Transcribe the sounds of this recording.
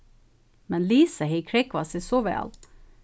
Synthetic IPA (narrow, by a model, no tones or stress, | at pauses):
mɛnliːsəheɪkʰɹɾɛkʋɑsiːsoːʋɛ̰ɑ̰l